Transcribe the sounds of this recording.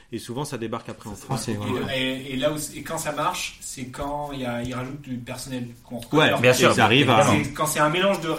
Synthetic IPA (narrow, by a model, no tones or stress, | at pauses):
esuvɑ̃sad̪ebaʁkapχɛɑ̃fχɑ̃sɛeeelausekɑ̃samaʁʃsɛkʰɑ̃ilailʁaʒut̪̚d̪ypɛʁsɔnɛlkɔ̃ʁəkwɛbjɛ̃syʁaʁivãɛkɑ̃sɛɛ̃melɑ̃ʒd̪ə